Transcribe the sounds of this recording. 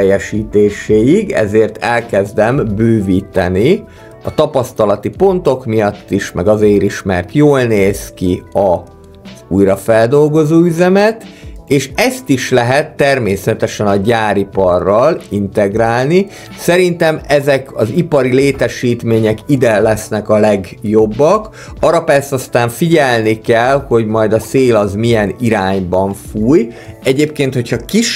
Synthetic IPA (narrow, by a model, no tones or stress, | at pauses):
ɛjɛʃiːt̪eːʃeːjiɡɛ̰zeːrt̪ʰɛlkɛzd̪ɛmbøːviːt̪ɛ̰ni | ɒt̪ɒpɒst̪ɒlɒt̪ipo̞nt̪o̞kmijɒt̪ːiʃmɛɡɒzeːɾiʃmɛ̰rt̪joːlneːskiɒ | zuːjɾɒfɛld̪o̞lɡo̞zoːyzɛmɛt̪eːʃɛst̪iʃlɛɦɛt̪ːɛrmeːsɛt̪ɛʃɛnɒɟaːɾipɒrːɒlint̪ɛɡraːlni | sɛɾint̪ɛmɛzɛkɒzipɒɾileːt̪ɛʃiːt̪meːɲɛkid̪ɛlɛsnɛkɒlɛɡjobːɒk | ɒɾɒpɛrsɛɒst̪aːɱfiɟɛlnikɛlho̞ɟmɒjd̪ɒseːlɒzmijɛniɾaːɲbɒɱfuːjɛɟeːp̚keːnt̪ho̞chɒkiʃ